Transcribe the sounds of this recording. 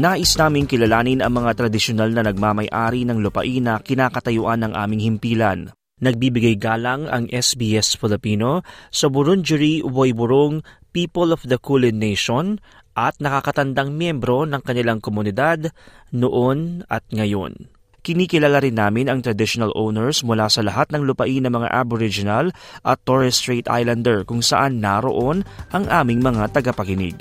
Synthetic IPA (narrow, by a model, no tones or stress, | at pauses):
naːʔɪsnaːmɪŋkɪlɐlaːnɪnɐŋmɐŋat̪ɾɐd̪ɪʃonalnɐnɐɡ̚maːmɐjʔa̰ːɾinɐŋlʊpɐ̰ʔinɐkɪnaːkɐt̪ɐjʊʔanɐŋʔa̰ːmɪŋhɪmpiːlɐn | nɐɡ̚biːbɪɡajɡaːlɐŋɐ̰ŋʔɛsbiɛsfɪlɪpiːno̞sɐbʊɾʊŋd͡ʒʊɹiwojbʊɾoŋpiːpolofd̪ɐkulɪnːejʃon | ʔɐt̪̚nɐkakɐt̪ɐnd̪aŋmjɛmbɾo̞nɐŋkɐnɪlaŋkomʊnɪd̪ad̪noʔo̞nʔɐt̪̚ŋɐjo̞̰n | kɪniːkɪlaːlaɾɪnːaːmɪnɐŋt̪ɾɐd̪ɪʃonɐlʔownɛɹsmʊlasɐlɐɦat̪̚nɐŋlʊpɐʔinɐŋmɐŋa̰ʔaboɾɪd͡ʒɪnalʔɐt̪ːoɹɛst̪ɾet̪ʔa̰jland̪ɛɹkʊŋsɐʔanːaɾo̞̰ʔo̞nʔɐŋʔaːmɪŋmɐŋat̪ɐɡɐpɐkɪnɪ̰ɡ̚